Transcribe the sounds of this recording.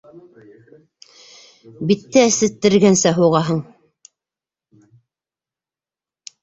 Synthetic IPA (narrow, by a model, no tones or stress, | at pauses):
bit̪ːɘæsɘ̆t̪ːɘ̆ɾɡænsæɦuʁɑɦɤɴ